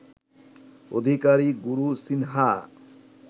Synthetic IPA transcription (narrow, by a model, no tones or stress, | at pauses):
o̰d̪ʱikaɾiɡuɾusinɦa